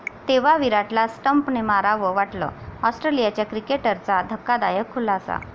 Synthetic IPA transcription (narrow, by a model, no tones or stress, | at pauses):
t̪eʋaʋiɾaʈlasʈəmpnemaɾaʋəʋaʈlə̰ɔsʈɾelijat͡ɕjakɾikeʈəɾt͡sad̪ʱəkːad̪ajəkʰːulaːsa̰